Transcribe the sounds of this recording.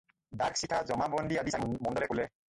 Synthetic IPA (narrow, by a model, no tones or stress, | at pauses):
daksitʰazɔmabɔndiadisanmɔndɔlɛkulɛ